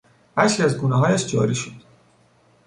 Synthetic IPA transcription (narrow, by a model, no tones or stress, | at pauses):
æʃiæzɡuːnɛɦɒːjæʃd͡ʒɒ̰ːɾiʃod̪̥